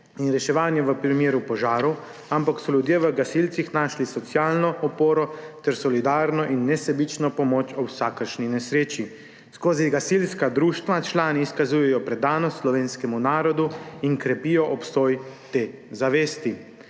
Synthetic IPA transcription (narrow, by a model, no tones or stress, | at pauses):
inɾɛʃɛʋaːnjɛʋəpɾimeːɾupɔʒaːɾɔw | ampaksɔljud̪jeʋəɡasilt̪sixnaʃlisɔt̪sjaːlnɔʔɔpoːɾɔt̪ɛɾsɔlid̪aːɾnɔʔinːɛsɛbit͡ʃnɔpɔmoːt͡ʃɔwsaːkəɾʃninɛsɾeːt͡ʃi | skoːziɡasilskad̪ɾuːʃt̪ʋat͡ʃlaːniːskazuːjɛjɔpɾɛd̪aːnɔt̪slɔʋeːnskɛmunaːɾɔd̪uinkɾɛpiːjɔʔɔpst̪ɔːjt̪eːzaʋeːst̪i